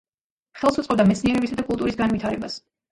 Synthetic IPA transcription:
χɛlˠsut̪sʼɔb̚d̪amɛt̪sʰniɛɾɛbisad̪akʼulˠt̪ʼuɾisɡanvit̪ʰaɾɛbas

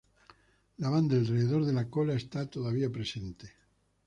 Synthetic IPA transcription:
laβand̪aelreðeðoɾðelakolaest̪at̪oðaβiapɾesent̪e

